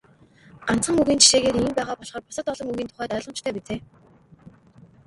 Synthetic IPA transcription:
ɢ̥an̥t͡sχə̆ŋuɣiːnt͡ɕʰi̥ʃeːɣeːɾiːmpæːʁaːpɔɮχɔːrpʊ̥sə̆t̪ɔɮɞ̆ŋuɣiːnt̪ʰʊ̥χæːt̪œːɮʁɞ̆mt͡ɕt̪ʰœːpit͡seː

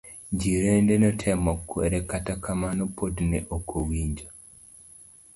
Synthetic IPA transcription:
d͡ʒiɾendenɔtʰɛmɔkːwḛɾɛkatakʰamanɔpʰodnɛʔokʰowiɲd͡ʒo

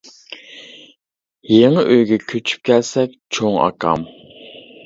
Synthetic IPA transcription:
jeŋəʔøjɡʲɛkʲʰøt͡ʃʰy̥p̚kʲʰɛlsɛk̚ʲt͡ʃʰoŋɑ̰kʰɑ̰m

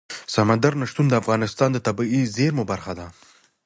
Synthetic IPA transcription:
samand̪aɾnaʂt̪und̪əafɣɑnɪst̪ɑnd̪ət̪abiizeɾmobaɾxad̪a

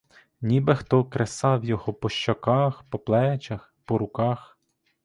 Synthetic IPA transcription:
nʲibɛxt̪ɔkɾʔesɑwjɔɦɔpɔʃt͡ʃɔkɑxpɔplˠɛt͡ʃɐxpɔɾʊkɑx

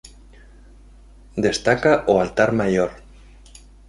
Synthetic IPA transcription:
d̪est̪akaʔoalt̪aɾmajoɾ

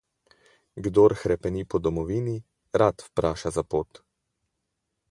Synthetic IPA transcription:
ɡd̪oːɾxɾɛpɛnipɔd̪ɔmɔʋiːni | ɾat̪wpɾaːʃazapoːt̪

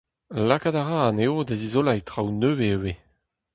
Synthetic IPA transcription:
lakadaʁaaneodezizolajtʁawnøːwewe

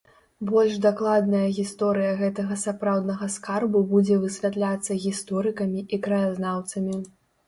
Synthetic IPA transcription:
bɔlʲʐd̪aklˠad̪nɐjɐɣʲist̪ɔɾɨjɐɣɛt̪ɐɣɐsapɾawd̪nɐɣɐskarbubud͡zʲɛvɨsʲvʲat̪lʲat̪sːɐɣʲist̪ɔɾɨkɐmʲiʔikɾɐjaznawt̪sɐmʲi

